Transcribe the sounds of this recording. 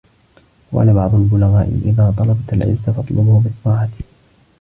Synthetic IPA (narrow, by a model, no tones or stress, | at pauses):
wʔa̰labɑʕd̪ˤʊlbʊlaɣaːʔɪ̰ʔɪ̰ðaːt̪ˤɑlɑbat̪alʕɪ̰lsafɑt̪ˤlʔʊbʊhbɨt̪ˤːɑːʕɑt̪ɪ̥